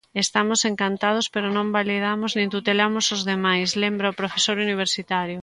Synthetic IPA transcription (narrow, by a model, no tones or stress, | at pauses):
est̪amʊseŋkant̪að̞ospeɾʊnõmbaliðamʊznẽnt̪ut̪elamʊsozðemajslembɾaopɾofesoɾuniβ̞eɾsit̪aɾjʊ